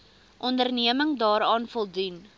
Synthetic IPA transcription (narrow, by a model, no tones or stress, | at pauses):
ʔɔndərniəməŋdɑːɾɑːnfɔlˠdun